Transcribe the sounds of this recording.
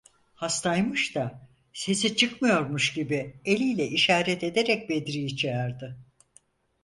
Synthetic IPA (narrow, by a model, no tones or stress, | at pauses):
hast̪ʰajmɯʃt̪a | se̞sit͡ʃʰɯkmɯjo̞ɾmuʃɟibielʲijlʲɛʔiʃaːɾɛt̪e̞d̪eɾɛc̚be̞d̪ɾiit͡ʃʰæɾd̪ɯ